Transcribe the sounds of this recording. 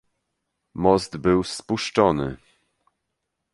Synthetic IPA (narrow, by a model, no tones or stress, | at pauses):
mɔzd̪bɘwspuʂt͡ʂɔnɘ̰